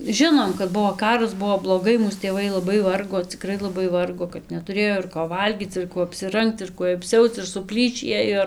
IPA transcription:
ˈʒʲɪnoːm kɐt ˈbuɔ ˈkɑːrɐs ˈbuɔ blˠoːˈɡɐɪ ˈmuːs tʲeːˈʋɐɪ lˠɐˈbɐɪ ˈʋɐrɡoː ˈt͡sʲɪkrɐɪ lˠɐˈbɐɪ ˈʋɐrɡoː kɐt nʲɛtʊˈrʲeːjoː ɪr koː ˈʋɐlʲɡʲiːt͡s ɪr ˈkuɔ ɐpʲsʲɪˈrɐŋkt͡s ɪr ˈkuɔj ɐpʲˈsʲɛʊt͡s ɪr sʊˈpʲlʲiːʃʲiː ˈeːjoː

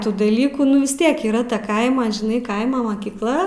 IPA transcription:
ˈtuː dɐˈlʲiːkuː ˈnʊ ʋʲɪs ˈtʲiɛk iːˈrɐ tɐ ˈkɐɪmɐ ʒʲɪˈnɐɪ ˈkɐɪmɐ mɐkʲiːkˈlˠɐ

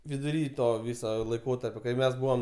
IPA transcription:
ʋʲɪdʊˈrʲiː ˈtoː ˈʋʲiːsoː lˠɐɪˈkoːtɐrʲpʲoː kɐɪ ˈmʲɛs ˈbʊʋoːm

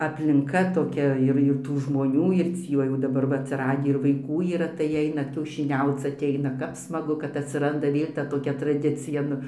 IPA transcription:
ɐpʲlʲɪŋˈkɐ toːˈkʲɛ ɪr ɪr ˈtuː ʒmoːˈnʲuː ɪr ˈt͡sʲiː ʋɐ jɛʊ dɐˈbɐr ʋɐ ɐtʲsʲɪˈrɑːdʲiː ɪr ʋɐɪˈkuː iːˈrɐ tɐɪ ˈɛɪnɐ kʲɛʊʃʲɪˈnʲɛʊt͡s ɐtʲˈɛɪnɐ ˈkɐp smɐˈɡʊ kɐt ɐtʲsʲɪˈrɐndɐ ˈʋʲeːlʲ tɐ toːˈkʲɛ trɐˈdʲɪt͡sʲɪjɛ ˈnʊ

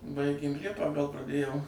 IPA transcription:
ˈbɐɪɡʲeːm ˈlʲiɛpɑː ɡɐlˠ prɐˈdʲeːjoːm

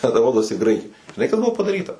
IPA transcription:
tʲɛn ˈroːdoːsʲɪ ˈɡrɐɪkɐɪ ʒʲɪˈnɐɪ kɐs ˈbʊʋoː pɐdɐˈrʲiːtɐ

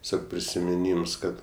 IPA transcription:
tʲɛˈsʲoːk pʲrʲɪsʲɪmʲɪˈnʲiːms ˈkɐt

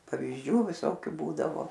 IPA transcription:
pɐʋʲiːzʲˈd͡ʒʲuː ʋʲɪˈsoːkʲʊ ˈbuːdɐʋoː

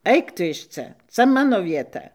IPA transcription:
ˈɐɪk tʊ ɪʃ ˈt͡sɐ ˈt͡sɐ ˈmɑːnoː ʋʲiɛˈtɐ

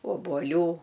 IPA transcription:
oːbuɔˈlʲuː

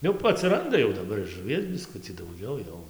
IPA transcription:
jɛʊ ɐtʲsʲɪˈrɐndɐ jɛʊ dɐˈbɐr ɪr ʒʊˈʋʲiɛs bʲɪˈskʊt͡sʲiː dɐʊˈɡʲɛʊ jɛʊ

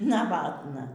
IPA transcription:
nɐˈʋɑːtnɐ

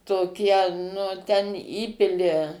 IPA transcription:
toːˈkʲiɛ nʊ tʲɛn ˈiːpʲɪlʲɪ

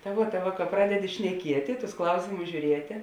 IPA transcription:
tɐ ˈʋuɔ tɐ ˈʋɐ kɐ ˈprɑːdʲɛdʲɪ ʃʲnʲɛˈkʲiɛtʲɪ tʊs ˈklˠɐʊsʲeːmʊs ʒʲuːˈrʲiɛtʲeː

